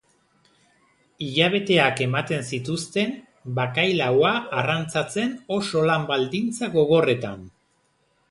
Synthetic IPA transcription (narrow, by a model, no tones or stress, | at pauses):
iʎaβ̞e̞t̪e̞ake̞mat̪e̞nsit̪ust̪e̞n | bakajlawaːrant͡sat͡se̞no̞so̞lambald̪int͡saɣo̞ɣo̞re̞t̪a̰n